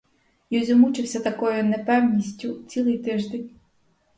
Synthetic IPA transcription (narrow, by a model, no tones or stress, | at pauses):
jɔzʲʊmut͡ʃɪwsʲɐt̪ɐkɔjʊnepɛwnʲisʲtʲʊt͡sʲilˠɪjt̪ɪʒd̪enʲ